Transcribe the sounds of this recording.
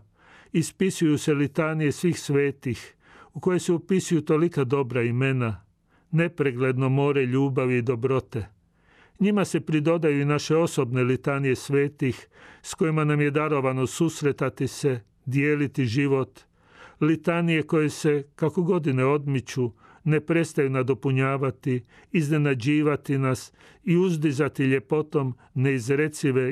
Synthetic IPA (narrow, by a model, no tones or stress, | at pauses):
ispisujuse̞lit̪anije̞sʋiːxsʋeːt̪ix | uko̞jeseupisujut̪o̞likad̪o̞bɾaime̞na | ne̞pɾeɡle̞d̪no̞mo̞ːɾe̞ʎuːbaʋiːd̪o̞bɾo̞t̪e̞ | ɲimase̞pɾid̪o̞d̪ajuinaʃe̞o̞so̞bne̞lit̪anije̞sʋe̞ːt̪ixsko̞jimanamje̞d̪aɾo̞ʋano̞susɾe̞t̪at̪ise̞ | d̪jeːlit̪iʒiʋo̞t̪ | lit̪anije̞ko̞jese̞kakoɡo̞d̪ine̞o̞d̪mit͡ɕu | ne̞pɾe̞st̪ajunad̪o̞puɲaːʋat̪iː | zne̞nad͡ʑiːʋat̪inas | iuzd̪izat̪iʎe̞po̞t̪o̞m | ne̞izɾet̪siʋe̞